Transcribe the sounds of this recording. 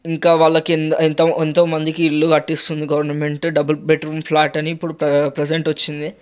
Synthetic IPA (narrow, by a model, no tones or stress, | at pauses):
iŋkaːʋaːɭːɐknent̪ɐent̪oːmɐnd̪ikiːlːukɐʈːist̪und̪iɡɐʋɐɾnɐme̞ɳʈɖɐbɐlbeʈɐɾumpʰlaːʈɐniːpːuɽuppɾed͡ʒeɳʈʋɐt͡ʃːind̪i